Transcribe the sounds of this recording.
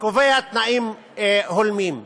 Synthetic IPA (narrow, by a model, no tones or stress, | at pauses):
koveat̪naʔim | holmim